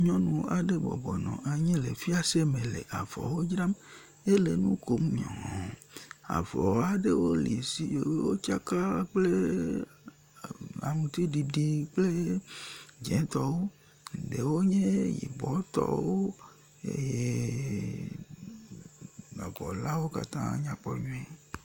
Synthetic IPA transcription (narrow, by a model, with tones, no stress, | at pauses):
ɲɔ̃˦nũ˨a˨ɖe˦bɔ̰˨bɔ˨nɔ̃˨ʔa˨ɲɛ̃˦le˨fi˦a˨se˦mẽ˨lḛ˨ʔa˨vɔ̰˨wo˦d͡ʒɾa˦m | e˦le˨nũ˦ko˦mɲɔ̰̃˨a̰˨vɔ˨wa˨ɖe˦wo˦lḭ˨si˨˦˨wo˦t͡ʃa˦ka˦k͡ple˦ | a̰˨mũ˨t̪i˦ɖi˨ɖi˦k͡ple˦ | d͡ʒɛ̃˨˦t̪ɔ˨wo˦˨ | ɖe˨wo˦ɲẽ˦jḭ˨bɔ˦t̪ɔ̰˦wo˦ | ḛ˦je˦ | nɔ̃˨vɔ˨la˦wo˦ka̰˨t̪ã̰˦ɲã˨k͡pɔ˨ɲũ˦ɛ˦